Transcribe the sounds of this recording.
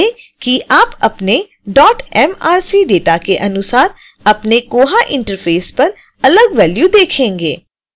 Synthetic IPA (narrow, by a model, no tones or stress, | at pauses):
e | kiʔaːpɐpne | ɖɔːʈɛːmaːɾsiɖeːʈakeʔɐnʊsaːɾ | ɐpnekoːɦaʔɪ̃ɳʈəɾfʰeːspɐɾ | ɐləɡʋɛːljud̪eːkʰẽːŋɡḛː